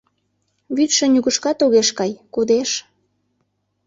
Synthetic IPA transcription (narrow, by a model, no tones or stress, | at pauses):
βyt̪ʃə̆nʲuɣəʃkɑt̪oɣeʃkɑjkud̪eʃ